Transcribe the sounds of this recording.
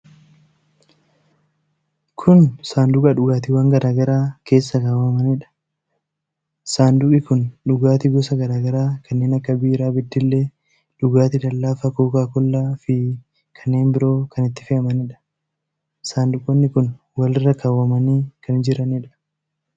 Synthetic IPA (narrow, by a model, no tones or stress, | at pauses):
kʰʊnsaːnd̪ʊɡʼɐᶑʊɡaːt̪ɪwaːŋɡɐɾaːɡɐɾaːkʰe̞ːsːɐkaːwɐmɐniᶑɐ̥ | saːnd̪ʊkʼɪkʊnᶑʊɡaːt̪ɪɡɔsɐɡɐɾaːɡɐɾaːkʰɐnːe̞ːnɐkːɐbiːɾaːbɪd̪ːɪlːeː | ᶑʊɡaːt̪ɪd̪ɐlːaːfɐkoːkaːkɔlːaːfɪ | kʰɐnːe̞ːnbɪɾo̞ːkɐnɪt̪ːɪ̥fɪɐmɐnɪᶑɐ̥ | saːnd̪ʊkʼːɔnːɪkʊn | wɐlɪrːɐkʰaːwɐmɐniːkɐnɪd͡ʒɪɾɐniːᶑɐ̥